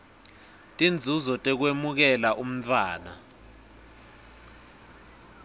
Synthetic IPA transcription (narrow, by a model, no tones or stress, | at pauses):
tʼind͡zʱuzɔtʼɛk̬wemuk̬ɛlaʔum̩tʰʼwaːna̰